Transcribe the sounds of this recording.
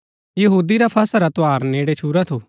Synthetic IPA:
jɐɦuːd̪iɾapʰɐsaɾat̪oaːɾneːɽet͡ʃʰuːɾat̪ʰoː

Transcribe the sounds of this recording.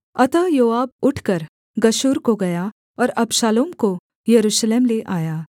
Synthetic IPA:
ɐt̪ajoːaːb̚ʊʈʰkɐɾ | ɡɐʃuːɾkoɡɐja | ɔːɾɐbʃaːloːmko | jɐɾuːʃleːmleʔaːjaː

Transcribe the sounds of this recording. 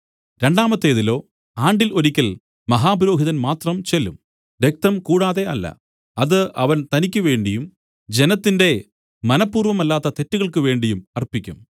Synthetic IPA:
ɾe̞ɳɖaːmɐt̪ːe̞ːðilo̞ː | aːɳɖilo̞ɾikʲːɐl | mɐɦaːbɐɾoːɦiðɐnmaːt̪rɐmt͡ɕe̞lːṵm | ʋek̚t̪ɐmkuːɽaːðe̞ɐlːɐ̰ | ɐðɨɐʋɐnt̪ɐnikʲːɐʋe̞ːɳɖijum | d͡ʑenɐt̪ːinde̞ | mɐnɐpːuːrʋɐmɐlːaːt̪ːɐt̪e̞tːuɣɐɭkɨʋe̞ːɳɖijumɐrpikʲːṵm

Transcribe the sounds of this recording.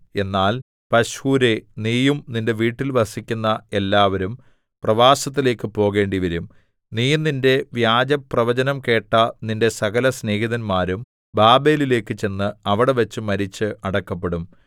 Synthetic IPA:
e̞nːaːl | pɐɕhuːɾe̞niːjumninde̞ʋiːʈːilʋɐsikʲːunːɐe̞lːaːʋɐɾum | prɐʋaːsɐt̪̬ːile̞ːkːɨpo̞ːɣe̞ːɳɖiʋɐɾum | niːjuninde̞ʋjaːd͡ʑɐprɐʋɐd͡ʑɐnɐmke̞ːʈːɐninde̞sɐɣɐlɐsne̞ːɦiðɐnmaːɾum | baːbe̞ːlile̞ːkːɨt͡ɕe̞nːɨɐʋiɽe̞ʋɐt͡ɕːɨmɐɾit͡ɕːɨʔɐɽɐkːɐp̬ːeɽum

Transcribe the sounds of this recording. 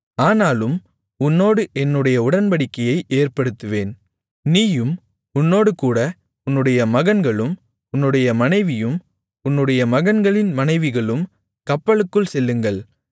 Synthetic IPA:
aːnaːlɯm | ʊnːoːɽɯʔɛnːɯɽɐjɐʊɽɐnbɐɽɪkːɐjɐɪʔeːrpɐɽɯt̪ːɯʋeːn | niːjɯm | ʊnːoːɽɯkuːɽɐ | ʊnːɯɽɐjɐmɐɣɐnɡɐɭɯm | ʊnːɯɽɐjɐmɐnɐɪʋɪjɯm | ʊnːɯɽɐjɐmɐɣɐnɡɐɭɪnmɐnɐɪʋɪɣɐɭɯm | kɐpːɐɭɯkːɯɭsɛlːɯŋɡɐɭ

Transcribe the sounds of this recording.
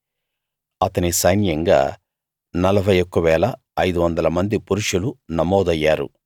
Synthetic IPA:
ɐt̪ɐnisɐjnjɐŋɡa̰ː | nɐlɐbʱɐjokːɐʋɛːlɐː | jd̪uʋɐnd̪ɐlɐmɐnd̪ipuɾuʂulunɐmɔːd̪ɐjːaːɾṵ

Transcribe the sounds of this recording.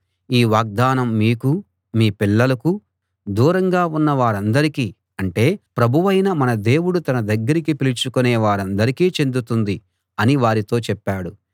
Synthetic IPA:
iːʋaːɡ̚d̪aːnɐmːiːku | miːpiɭːɐlɐku | d̪uːɾɐŋɡaːunːɐʋaːɾɐnd̪ɐɾikiː | ɐɳʈe̞ːpɾɐbʱuʋɐjnɐmɐnɐd̪e̞ːwuɽut̪ɐnɐd̪ɐɡːɐɾikipilit͡ʃukunɛːʋaːɾɐnd̪ɐɾikiːt͡ʃe̞nd̪ut̪und̪i | ɐniʋaːɾit̪o̞ːt͡ʃɛpːaːɽu

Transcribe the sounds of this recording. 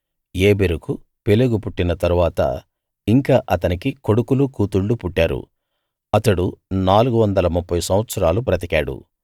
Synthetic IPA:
eːbeɾuku | peluɡupuʈːinɐt̪ɐɾuʋaːt̪ɐ̰ | iŋkaːʔɐt̪ɐnikiko̞ɽukulukuːt̪uɭːupuʈːaːɾṵ | ɐt̪ɐɽunaːluɡuʋɐnd̪ɐlɐmupːɐjusɐmʋɐt̪sɐɾaːlupɾɐt̪ikaːɽṵ

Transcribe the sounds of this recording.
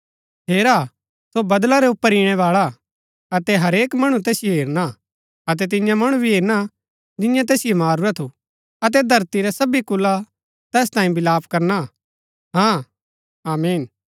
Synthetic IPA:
ɦeːɾa | sobɐd̪laɾɛʊpːəɾiɽ̃ɛʋaːɭa | ɐt̪ɛɦɐɾeːkmɐɽ̃ũt̪̬ɛːsɪjoɦeːɾna | ɐt̪̬ɛt̪̬ɪ̃jãmɐɽ̃ubʱiɦeːɾna | d͡ʒ̪ɪjãt̪̬ɛːsɪjomaːɾuɾat̪ʰu | ɐt̪̬ɛd̪ʱɐɾt̪iɾɛsɐbikʊlːa | t̪ɛːst̪ãːĩbɪlaːpkɐɾna | ɦãː | aːmiːn

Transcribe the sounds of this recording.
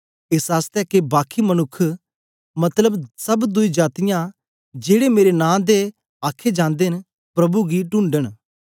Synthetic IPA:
ɪsaːst̪ɛːkebaːkʰimənʊkʰː | mɐt̪ləbsɐbd̪ʊid͡ʒaːt̪ɪjã | d͡ʒeːɽemeːɾenãːd̪e | aːkʰed͡ʒãːnd̪en | pɾɐbuɡiʈʊ̃ːɳɖəɽ̃

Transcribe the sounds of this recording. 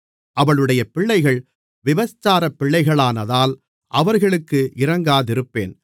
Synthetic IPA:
ʔɐʋɐɭɯɽɐjɐpɪɭːɐɪɣɐɭ | ʋɪʋɐst͡ʃːaːɾɐpːɪɭːɐɪɣɐɭaːnɐðaːl | ʔɐʋɐɾɣɐɭɯkːɯʔɪɾɐŋɡaːðɪɾɯpːḛːn

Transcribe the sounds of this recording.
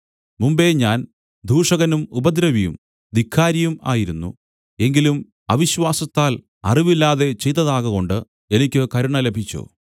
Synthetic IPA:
mumbe̞ɲaːn | d̪ʱuːʂɐɣɐnumubɐd̪ɾɐʋijṵm | d̪ikʰːaːɾɐjuma̰ːjiɾunːṵ | e̞ŋɡilum | ɐʋiɕʋaːsɐt̪ːaːl | ɐ̰riʋilːaːðe̞t͡ɕe̞jt̪ːɐðaːɣɐɣo̞ɳɖɨ | e̞nikʲːɨkɐɾuɳɐle̞bʱit͡ɕːo̰ː

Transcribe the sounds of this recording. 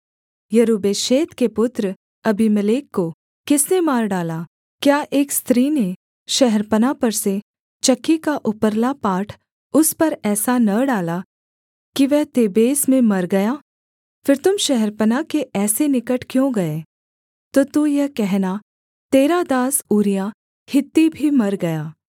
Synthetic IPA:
jɐɾuːbeːʃeːt̪kepʊt̪ɾ | ɐbʱiməleːkːo | kɪsnemaːɾɖaːlaː | kjaːʔeːkst̪ɾiːne | ʃɐɦɛɾpənapɐɾse | t͡ʃɐkːikaʔʊpəɾlapaːʈʰ | ʊspɐɾɛːsanɐɖaːla | kiʋɛɦt̪eːbeːsmẽmɐɾɡɐjaː | fɪɾt̪ʊmʃɛɦɛɾpənakeɛːsenɪkəʈʰkjõɡɐeː | t̪oːt̪ujɐɦkɛɦna | t̪eːɾad̪aːsuːɾija | hɪt̪ːibʱimɐɾɡɐjaː

